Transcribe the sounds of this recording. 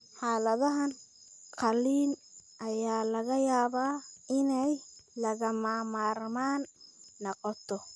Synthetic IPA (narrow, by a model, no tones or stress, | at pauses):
ħaːlɐðɐɦɐn | qɑliːnʔɐjaːlɐɣɐjaːβaːɪnɛjlɐɣɐmaːmaːrmaːnːɐqɔt̪ʰɔ